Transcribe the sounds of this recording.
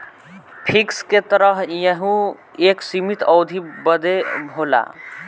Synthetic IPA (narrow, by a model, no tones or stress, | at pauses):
pʰiksket̪əɾəɦjəɦũ | eːksimit̪ʰɔːd̪ʱibəd̪ebʱoːla̰